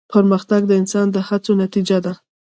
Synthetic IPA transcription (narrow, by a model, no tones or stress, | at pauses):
pʰəɾməxt̪aɡ̚d̪əɪnsɑnd̪əhat͡sonat̪id͡ʒad̪a